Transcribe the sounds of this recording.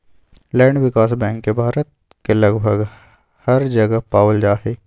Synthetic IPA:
lɛ̃ːɳɖʋɪkaːsbɛ̃ːŋkːebʱaːɾət̪̚ | kelɐɡbʱəɡ | hɐɾd͡ʒɐɡapaːwəld͡ʒaːɦeː

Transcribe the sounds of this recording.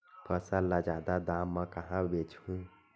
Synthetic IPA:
pʰəsəlːad͡ʒad̪ad̪amːə̃kəɦãbet͡ʃhũ

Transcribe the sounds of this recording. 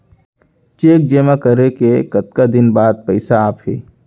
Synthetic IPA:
t͡ʃeːk̚d͡ʒeːmakəɾekekɐt̪kad̪ɪnbaːd̪̚pɛɪsaaːpɦḛː

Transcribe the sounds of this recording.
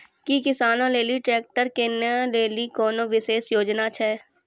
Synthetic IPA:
kikɪsaːnõleːliʈɾeːk̚ʈəɾkenɛleːlikɔːnõʋɪʃeːsjoːd͡ʒnat͡ʃʰɛː

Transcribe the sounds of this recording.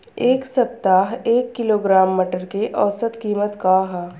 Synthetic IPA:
eːksɐp̚t̪aːɦeːkːɪloːɡɾaːmːəʈəɾkeʔɔːsət̪kiːmət̪kaɦɛ

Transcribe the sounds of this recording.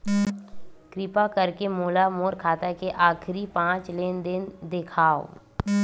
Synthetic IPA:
kɾɪpakɐɾkemoːlamoːɾkʰaːt̪akeʔaːkʰɾipãːt͡ʃleːnd̪ɪnd̪ɪkʰaːo̰ː

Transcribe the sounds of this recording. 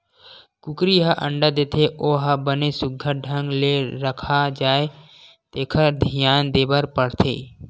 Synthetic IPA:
kʊkɾiɦəʔə̰̃ɳɖəd̪eːt̪ʰeʔoːɦəbənesʊɡʱːəɖʱə̃ŋɡleɾəkʰad͡ʒaːe | t̪eːkʰəd̪ʱɪjaːnd̪eːbəɾpəɽt̪ʰḛː

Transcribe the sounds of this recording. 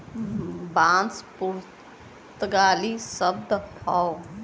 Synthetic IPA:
bãːnspuɾ | t̪ɡaːlisəb̚d̪pʰaw

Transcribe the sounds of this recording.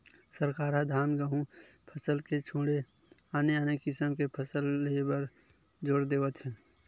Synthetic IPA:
səɾkaːɾad̪ʱaːnɡəɦũpʰəsəlket͡ʃʰõːɽe | aːneaːnekɪsəmkepʰəsəlːebəɾ | d͡ʒoːɾd̪eːʋət̪ɦɛ̃ː

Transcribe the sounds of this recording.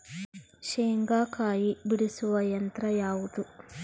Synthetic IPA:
ʃeːŋɡaːkaːjibiɽisuʋɐjɐnt̪ɾɐjaːwut̪u

